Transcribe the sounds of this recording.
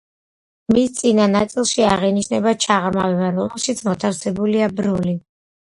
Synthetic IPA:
mist̪sʼinanat̪sʼilˠʃiaʁiniʃnɛbat͡ʃʰaʁɾmavɛbaɾɔmɛlˠʃit̪sʰmɔt̪ʰafsɛbuliabɾɔli

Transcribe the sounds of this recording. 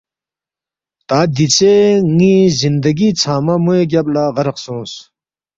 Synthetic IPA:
t̪aːd̪it͡seŋiːzind̪ɐɡit͡sʰaːmɐmueɡʲaplaʁɐɾɐqsũːs

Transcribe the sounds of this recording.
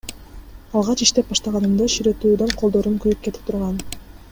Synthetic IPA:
ɑlˠʁɑt͡ʃiʃt̪e̞p̚bɑʃt̪ɑʁɑnɯmd̪ɑʃiɾet̪uːd̪oɴqʰo̞lˠd̪o̞ɾuŋkyjyp̚ke̞t̪i̥p̚t̪ʰuɾʁɑn

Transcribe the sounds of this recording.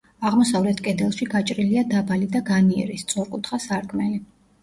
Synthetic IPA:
aʁmɔsavlɛt̪ʰkʼɛd̪ɛlˠʃiɡat͡ʃʼɾiliad̪abalid̪aɡaniɛ̰ɾist̪sʼɔɾkʼut̪ʰχasaɾkʼʰmɛli

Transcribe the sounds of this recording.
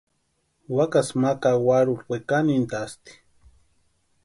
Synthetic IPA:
wakasmakawaɾulwʷekanint̪ast̪i̥

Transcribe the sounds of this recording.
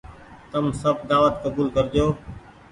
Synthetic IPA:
t̪əmsəbʱd̪aːʋət̪̚kəbuːlkəɾd͡ʒoː

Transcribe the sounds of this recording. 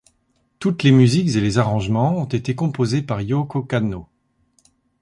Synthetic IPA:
t̪ut̪lemyzikzelezaʁɑ̃ʒmɑ̃ɔ̃t̪et̪ekɔ̃pozepaʁjokokano

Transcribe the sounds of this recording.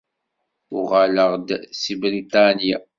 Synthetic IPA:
ʊʁaləʁd̪sibɾit̪anja

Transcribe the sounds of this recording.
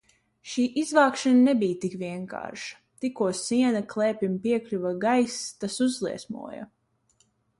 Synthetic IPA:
ʃiːʔizvaːkʃananɛbijt̪ikviɛŋka̰ːɾʃḁ | t̪ikuɔsiɛnaklˠɛːpʲimpiɛklʲuvaɡajst̪asuzlˠḭɛsmṵɔja̰

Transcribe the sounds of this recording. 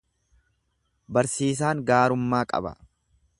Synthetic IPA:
bɐɾsiːs̬aːŋɡaːɾʊmːaːkʼɐ̰bɐ̰

